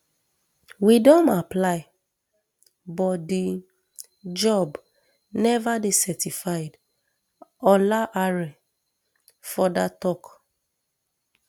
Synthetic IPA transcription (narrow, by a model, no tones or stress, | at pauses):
widɔ̃naplaɪ | bɔtdi | d͡ʒɔb | nɛvadesɛtifaɪd | ɔlaʔaɹɛ | fɔdatɔk